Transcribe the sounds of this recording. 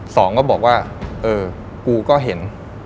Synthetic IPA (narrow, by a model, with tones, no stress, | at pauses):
sɔː˩˦ŋkɔː˥˩bɔː˨˩k̚waː˥˩ʔɤː˧ | kuː˧kɔː˥˩ɦe˩˦n